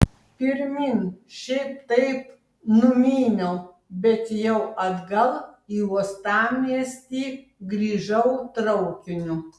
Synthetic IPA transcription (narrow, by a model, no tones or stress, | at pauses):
pʲɪɾʲmʲɪnʃʲɛɪp̚t̪ɐɪp | nʊmʲiːnʲoː | bʲɛt̪jɛʊɐd̪ɡɐlˠiːust̪ɑːmʲiɛsʲt̪ʲiː | ɡɾʲiːʒɐʊt̪ɾɐʊkʲɪnʲʊ